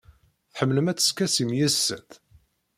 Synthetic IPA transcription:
θħəmːləmæt͡sːə̥skæsimjæsːæ̰t̪

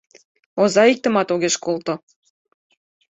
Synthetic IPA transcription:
ozɑik̚t̪ə̆mɑt̪oɣeʃkolt̪o

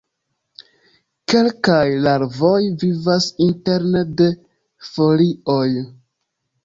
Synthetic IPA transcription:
ke̞lkajlaɾvo̞jvivasinte̞ɾnede̞ | fo̞lio̞j

